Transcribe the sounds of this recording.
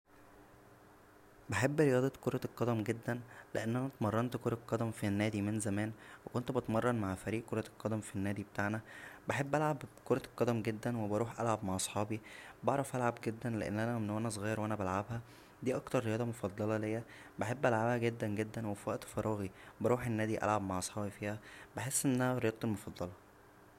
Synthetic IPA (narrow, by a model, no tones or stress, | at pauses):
beħebːɾejɑːd̪ˤɑt̪koɾˤɑqːɑd̪æmɡed̪ːænlḛʔenːænæt̪mɑrˤːɑnt̪koɾˤɑlqːɑd̪æmfinːæːd̪imenzæmæːnwekont̪bet̪mɑrˤːɑnmaʕfæɾiːʔkoɾˤɑlqːɑd̪æmfinːæːd̪ibet̪aʕnæbeħebːʔælʕabkoɾˤɑlqːɑd̪æmɡed̪ːænwebɑɾˤuːħʔælʕabmaʕʔɑsˤħɑːbibɑʕɾˤɑfʔælʕabɡed̪ːænleʔḛnːʔænæenːoʔænæsˤɣɑːjeɾwʔænæbælʕabhæ | d̪iːʔɑkt̪ɑɾˤːejɑːd̪ˤɑmofɑd̪ˤːɑlɑlejːæ | beħebːʔælʕabhæɡed̪ːænɡed̪ːænwefæʔt̪fɑɾˤʔɑːɣibɑɾˤuːħenːæːd̪iʔæ̰lʕabmaʕʔɑsˤħɑːbifiːhæbeħesːʔenːææhæɾejɑːt̪̚ˤt̪elmofɑd̪ˤːɑlɑ